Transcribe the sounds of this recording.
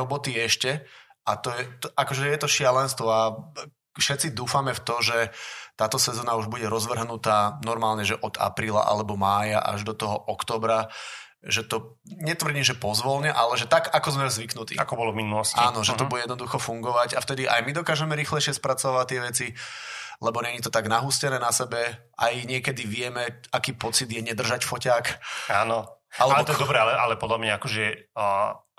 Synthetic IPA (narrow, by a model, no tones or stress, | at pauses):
ɔbɔt̪iɛʃcɛ | ʔat̪ɔjɛt̪akɔʒɛjɛt̪ɔʃɪalɛnst̪ʋɔa | fʃɛt̪t͡sid̪uːfamɛft̪ɔʒɛt̪aːt̪ɔsɛzɔːnauʒbuɟɛɾɔzʋr̩ɦnut̪aːnɔɾmaːlɲɛʒɛʔɔd̪a̰pɾiːla̰ʔa̰lɛbɔmaːja̰ʔa̰ʒd̪ɔt̪ɔɦɔʔɔkt̪ɔːbɾa | ʒɛt̪ɔ | ɲɛt̪ʋr̩ɟiːmʒɛpɔzʋɔlɲɛʔalɛʒɛt̪aɡakɔzmɛzʋiknut̪ḭːa̰kɔbɔlɔvminulɔscaːnɔʒɛt̪ɔbujɛjɛd̪nɔd̪uxɔfuŋɡɔʋaɟaft̪ɛd̪iʔa̰jmid̪ɔkaːʒɛmɛɾiːxlɛɪʃɪɛspɾat͡sɔʋaʋact̪ːɪɛʋɛt͡si | lɛbɔɲɛɲit̪ɔt̪aɡnaɦuscɛnɛːnasɛbɛ | a̰jɲɪɛkɛd̪iʋɪɛmɛakiːpɔt͡sid̪jɛɲɛd̪r̩ʒacfɔcaːkaːnɔʔalɛbɛɔt̪d̪ɔbɾɛalɛʔalɛpɔd̪labɲɛakɔʒɛ